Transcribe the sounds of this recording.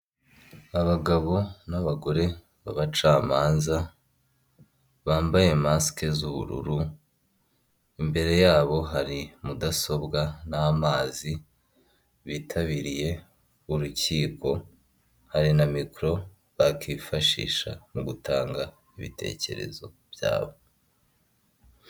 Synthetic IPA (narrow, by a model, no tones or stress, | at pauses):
aβaɡaβo̞naβaɡo̞ɾe̞ | βaβat͡ʃaːmaːnza | βaːmbaje̞maske̞zuβṵɾṵɾu | imbe̞ɾe̞jaːβo̞ɦaɾimudaso̞bɡanaːmaːzi | βitʰaβiɾije̞ | uɾuciːko̞ | haɾinamikɾo̞ | βakʰiːfaʃḭːʃa̰muɡutʰaːŋɡa | iβḭtʰe̞̰ce̞̰ɾe̞̰zo̞ | β̥ja̰ːβo̞